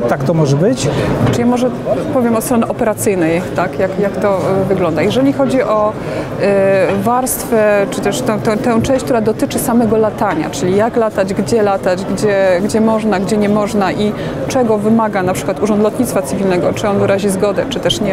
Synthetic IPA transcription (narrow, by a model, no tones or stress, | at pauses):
t̪akt̪ɔmɔʐɛbɘt͡ɕt͡ʂɨjamɔʐɛpɔvʲjɛmɔt̪st̪ɾɔnɛʔɔpɛɾat̪sɘjnɛjt̪akjakjakt̪ɔvɘɡlɔnd̪ajɛʐɛlʲixɔd͡ʑiʔɔ | vaɾst̪fɛt͡ʂɘt̪ɛʂt̪ɛ̃t̪ɛ̃t̪ɛ̃w̃t͡ʂɛ̃w̃ɕt͡ɕʲkt̪uɾad̪ɔt̪ɘt͡ʂɘsamɛɡɔlat̪aɲa̰t͡ʂɘlʲijaklat̪ad͡ʑɡd͡ʑɛlat̪ad͡ʑɡd͡ʑɛɡd͡ʑɛmɔʐnaɡd͡ʑɛɲɛmɔʐnaʔi | t͡ʂɛɡɔvɘmaɡanapʂɘ̥kwat̪uʐɔnd̪lɔd̪ɲit̪sfat̪sɘvʲilnɛɡɔt͡ʂɘɔnvɘɾaʑizɡɔd̪ɛt͡ʂɘt̪ɛʂɲɛ